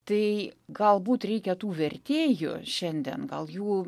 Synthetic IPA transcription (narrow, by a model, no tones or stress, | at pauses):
t̪ɐɪɡɐlˠbuːt̪ɾʲɛɪkʲɛt̪uːʋʲɛrʲt̪ʲeːjʊ̰ʃʲɛnʲd̪ʲɛ̰nɡɐlˠjuː